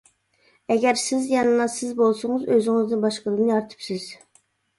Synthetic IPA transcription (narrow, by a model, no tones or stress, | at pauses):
ɛɡʲɛɾsɪzjɑnɨnɑsɪzbolˠsʊŋɨzøzɪŋɨznɪnbɑʃqəlˠənɨɑɾt̪ʰɨ̥psɪz̥